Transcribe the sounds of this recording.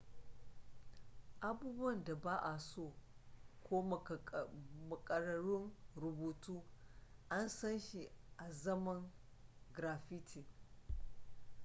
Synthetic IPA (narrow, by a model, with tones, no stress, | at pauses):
ʔa˨buː˦bu˦ɐ˨nda˨baː˦ʔa˨soː˦˨kʷoː˦˨ | mɐ˨kʼɐ˨ɾɐ˨ɾʊ˦ŋɾʊ˨buː˨tuː˦ʔa˦nsɐ˦nʃi˨ʔa˨zɐ˦mɐ˦ŋ | ɡɾaː˨ɸi˦tʰi˨